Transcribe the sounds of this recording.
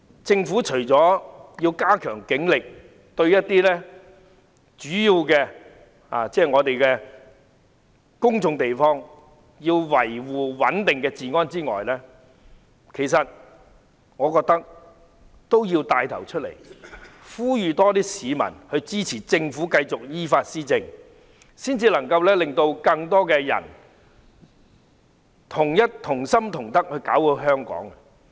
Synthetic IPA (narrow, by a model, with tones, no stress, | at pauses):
t͡sɪ˧ŋfuː˨˥t͡ʃʰɵ˨˩ɥt͡sɔː˨˥ji˧wkaː˥kʰœː˨˩ŋkɪ˨˥ŋlɪ˨k̚ | t̪ɵ˧ɥjɐ˥t̚t̪iː˥lɛː˥ | t͡ʃyː˨˥jiː˧wkɛː˧ | a̰ː˨t͡sɛː˥˩ŋɔː˨˧t̪e˨jkɛː˧ | kʊ˥ŋt͡sʊ˧ŋt̪e˨jfɔː˥ŋ | jiː˧wwɐ˨˩jwuː˨wɐ˨˥nt̪ɪ˨ŋkɛː˧t͡siː˨ŋɔː˥nt͡siː˥ŋɔ̰ː˨jlɛː˥ | kʰe˨˩jsɐ˨t̚ | ŋɔː˨˧kɔː˧k̚t̪ɐ˥k̚ | t̪o˥wjiː˧wt̪aː˧jt̪ʰɐ˨˩wt͡ʃʰɵ˥t̚lḛ˨˩jfuː˥jyː˨˧t̪ɔː˥t̪iː˥siː˨˧mɐ̰˨˩nhɵ˧ɥt͡siː˥t͡sʰiː˨˩t͡sɪ˧ŋfuː˨˥kɐ˧jt͡sʊ˨k̚jiː˥faː˧t̚siː˥t͡sɪ˧ŋ | siː˥nt͡siː˧lɐ˨˩ŋkɐ˧wlɛː˥lɪ˨ŋt̪o˧wkɐ˧ŋt̪ɔː˥kɛː˧jɐ̰˨˩n | t̪ʰʊ˨˩ŋjɐ˥t̚t̪ʰʊ˨˩ŋsɐ˥mt̪ʰʊ˨˩ŋt̪ɐ˥k̚hɵ˧ɥkaː˨˥wko˧ɦœː˥ŋkɔ̰ː˨˥ŋ˧